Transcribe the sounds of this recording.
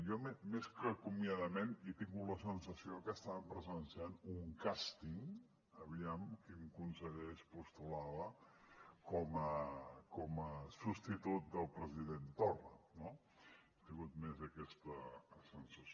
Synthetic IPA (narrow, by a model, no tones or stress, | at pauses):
jɔmemeskəkumiaðəmenit̪iŋɡuləsənsəsiokəst̪aβəmpɾəzənsianuŋkast̪iŋ | əβiamkimkunsəɣɛʃpust̪ulaβə | kɔməkɔməsust̪it̪ut̪̚d̪əlˠpɾəziðent̪orə̰no | it̪iŋɡut̪̚mezəkɛst̪əsənsəs